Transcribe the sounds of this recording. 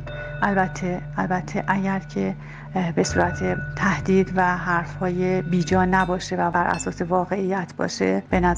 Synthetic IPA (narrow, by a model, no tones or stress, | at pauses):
ʔælbæt̪ʰːeælbæt̪ʰːeʔæɟæɾcʰe̞ | be̞suːɾæt̪ʰet̪ʰæhd̪̥iːd̪væɦæɾfhɒːjebiːd͡ʒɒːnæbɒːʃe̞vææɾʔæ̰sɒːse̞vɒːɣe̞ijːæt̪ʰbɒ̰ːʃe̞b̥e̞næ